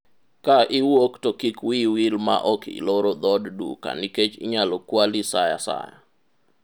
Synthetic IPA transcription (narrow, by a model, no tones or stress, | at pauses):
kaʔɪwoktokikwiwilma̰ʔɔkḭloɾod̪ɔddṵka̰niket͡ʃḭɲalokwalisaja̰sa̰ja̰